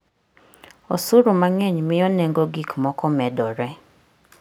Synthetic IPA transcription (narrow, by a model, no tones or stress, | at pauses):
osuɾumaŋɛɲmɪjɔnɛŋɡoɡikmɔkɔmɛdɔɾɛ